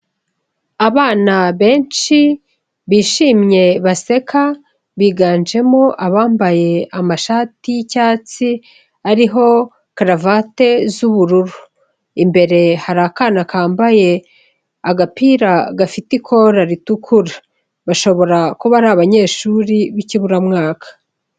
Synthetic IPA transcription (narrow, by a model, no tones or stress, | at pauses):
aβaːnaβe̞ːnʃi | βiːʃiːmɲe̞βase̞kʰa | βiːɡaːnd͡ʒe̞moʔaβaːmbaje̞amaʃaːticaːt͡si | aɾiɦo̞ | kaɾavate̞zuβuɾuɾu | imbe̞ɾe̞haɾakaːnakaːmbaje̞ | aɡapiɾaɡafitikʰo̞ɾaɾitukʰuɾa | βaʃo̞βo̞ɾakuβaɾaːβaɲe̞ːʃuɾiβiciβuɾamŋaːkʰḁ